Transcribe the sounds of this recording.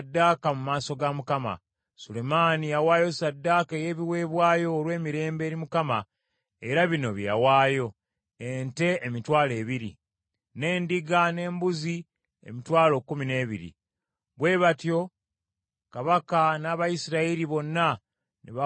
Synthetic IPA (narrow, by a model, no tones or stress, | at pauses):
dːakamumaːso̞ɡamukama̰ | sule̞maːnijawaːjo̞sadːaːkeje̞ːβiwe̞ːβwaːjo̞ːɾwe̞ːmiɾe̞ːmbe̞ːɾimukama | eɾaβino̞βja̰waːjo̞ | ente̞emitwaːle̞ːβiɾḭ | ne̞ːndiɡane̞ːmbuzi | ḛmitwaːlo̞kːumine̞ːβḭɾḭ | βwe̞ːβatjo̞ | kaβakanaːβaisiɾaiɾiβo̞nːa | nḛβa